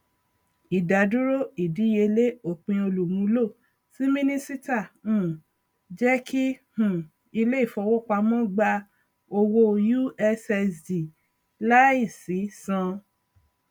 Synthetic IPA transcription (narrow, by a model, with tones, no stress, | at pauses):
i˨da˨du˦ɾo˦i˨di˨˦je˧le˦o˦˨k͡pĩ˧o˧lu˨mũ˨˦lo˦˨ | si˦mĩ˦nĩ˦si˦ta˦˨ũ˨ | d͡ʒɛ˦kʰi˦hũ˨ | i˧le˦i˦˨fɔ˧wo˦˨k͡pa˧mɔ̃˦ɡ͡ba˧ | o˧wo˦ju˦ɛ˧sɛ˧sdi˨ | la˦i˦˨si˨˦sã˧